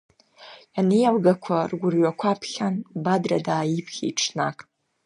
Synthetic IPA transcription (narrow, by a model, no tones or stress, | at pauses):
janijalɡakʷʰarɡʷʊrɥakʷʰapʰχʲanbadradaːjipʰχʲḭʈ͡ʂʰnakʼ